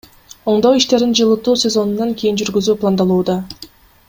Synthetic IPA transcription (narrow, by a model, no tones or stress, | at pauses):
o̞ɴd̪oiʃt̪e̞ɾind͡ʒɯlˠɯt̪uːsʲe̞zo̞nunːɑŋkʰʲijind͡ʒyɾɡyzyːplˠand̪ɑlˠuːd̪ɑ